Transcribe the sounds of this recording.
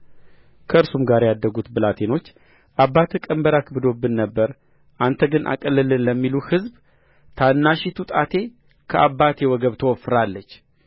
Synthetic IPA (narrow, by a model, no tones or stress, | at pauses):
kʰəɨɾsumɡaɾjad̪ːəɡut̪bɨlat̪ʰe̞no̞t͡ʃː | ʔabːat̪ʰkʼəmbəɾakbɨd̪o̞bːɨnːəbːəɾ | ʔant̪ʰəɡɨnʔa̰kʼəlːɨlɨnləmːiluhɨzb | t̪ʰanːaʃit̪ʰut̪ʼat̪ʰe̞ | kʰəʔabːat̪ʰjɛwɔɡəβt̪ʰəwɔfɨɾalːət͡ʃː